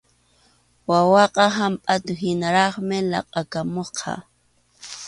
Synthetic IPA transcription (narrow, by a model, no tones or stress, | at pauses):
wawɑqɑɦampʼat̪ʊɦɪnaɾɑχmɪlɑ̰qʼɑkamoqʰɑ̰